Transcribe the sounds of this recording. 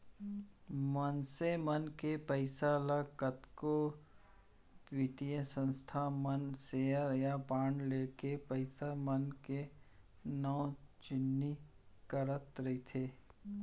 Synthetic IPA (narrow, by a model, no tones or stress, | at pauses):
mənsemənkepəɪsaləɡkət̪ko | ʋit̪ijə̃sə̃nst̪ʰamənseːəɾjapaːɳɖleːkepəɪsamənke | nɔːt͡ʃɪnːi | kəɾət̪ɾɐit̪ʰeː